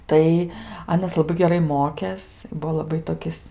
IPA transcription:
ˈtɐɪ ˈɑːnɐs lˠɐˈbɐɪ ɡʲɛˈrɐɪ ˈmoːkʲeːs ɪ ˈbʊʋoː lˠɐˈbɐɪ toːˈkʲɪs

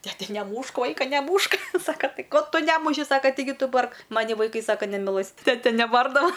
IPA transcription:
tʲɛˈtʲɛ nʲɛˈmuːʃk ˈʋɐɪkɐ nʲɛˈmuːʃk ˈsɑːkɐ ˈtʲɪ ˈkoː ˈtʊ ˈnʲæːmʊʃʲɪ ˈsɑːkɐ tʲɪˈɡʲɪ ˈtʊ ˈbɐrk ˈmɑːnʲɪ ʋɐɪˈkɐɪ ˈsɑːkɐ nʲɛmʲɪˈlˠɘs ˈtʲæːtʲɛ nʲɛˈbɐrdɐʋɐ

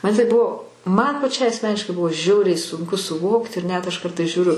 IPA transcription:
ˈmɐn tɐɪ ˈbʊʋoː mɐn pɐˈt͡ʃʲɛɪ ɐsʲˈmʲæːnʲɪʃkɐɪ ˈbʊʋoː ˈʒʲɛʊrʲɛɪ sʊŋˈkʊ sʊˈʋoːkt ɪr nʲɛt ɐʃ ˈkɐrtɐɪs ʒʲuːˈrʲʊ

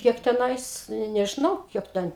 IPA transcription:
ˈkʲiɛk tʲɛˈnɐɪs nʲɛ nʲɛʒʲɪˈnɐʊ ˈkʲiɛk tʲɛn

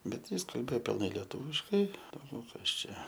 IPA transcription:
ˈbʲɛt ˈjɪs kɐlʲˈbʲeːoː pʲɪlˠˈnɐɪ lʲiɛˈtuːʋʲɪʃkɐɪ dɐʊˈɡʲɛʊ ˈkɐs ˈt͡ʃʲɛ

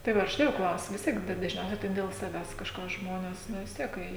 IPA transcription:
tɐɪ ˈʋɐ ʊʃˈtɐɪ jɛʊ ˈklˠɐʊsʲʊ ʋʲɪs ˈtʲiɛk dɐ dɐʒʲˈnʲɛʊsʲɛɪ tɐɪ dʲɛlˠ sɐˈʋʲæːs kɐʃˈkɑː ʒˈmoːnʲɛs ˈnʊ ʋʲɪs ˈtʲiɛk ˈkɐɪ

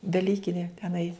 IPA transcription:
dɐˈlʲiːkʲɪnʲɪ tʲɛˈnɐɪ

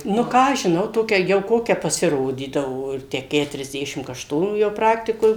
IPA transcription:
nʊ ˈkɑː ɐʃ ʒʲɪˈnɐʊ ˈtoːkʲɛ jɛʊ ˈkoːkʲɛ pɐsʲɪˈroːdʲiːdɐʋoː ˈɪr ˈtʲæː kʲɛtʊrʲɛzʲˈdʲæːʃʲɪm kɐʃˈtoːnuː ˈjɛʊ ˈprɑːktʲɪkoːj

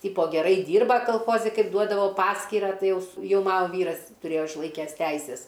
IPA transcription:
ˈtʲiːpoː ɡʲɛˈrɐɪ ˈdʲiːrbɐ kɐlˠˈxoːzʲɪ ˈkɐɪp ˈduɔdɐʋoː ˈpɑːsʲkʲiːrɑː ˈtɐɪ ˈjɛʊ ˈjɛʊ ˈmɑːnoː ˈʋʲiːrɐs tʊˈrʲeːjoː ɪʃˈlˠɐɪkʲæːs ˈtʲɛɪsʲɛs

